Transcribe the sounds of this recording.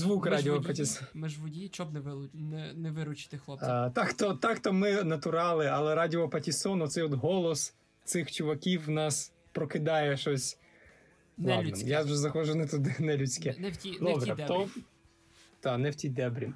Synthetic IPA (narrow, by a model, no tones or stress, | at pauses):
zʋukradʲiɔpɐtʲismɪʒʋɔi | nɛnɛʋɪɾʊt͡ʃɪ̥t̪ɪxlˠɔt̪ɑkt̪ɔt̪ɑkt̪ɔmɪnɐt̪ʊɾɑlˠɪɐlˠɛɾɑdʲiɔpɐtʲisɔnɔt̪sɛjɔd̪ɦɔlˠɔs | t̪sɪxt͡ʃʊʋɐkʲiwːnɑs | pɾɔkɪd̪ɑjɛʃɔsʲ | lˠɑnɛjaʒɛzɐxɔʒʊnɛt̪ʊd̪ɪnɛlʲʊt͡sʲkɛd̪ɔbɾɛɔ | t̪ɑnɛwtʲid̪ɛbɾʲi